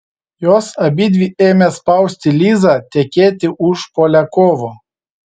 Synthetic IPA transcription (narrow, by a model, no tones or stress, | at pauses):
joːsɐbʲid̪ʲʋʲiːeːmʲespɐˑʊsʲt̪ʲɪlʲiːzɑt̪ʲɛkʲeːt̪ʲɪʔʊʃpoːlʲɛkoːʋo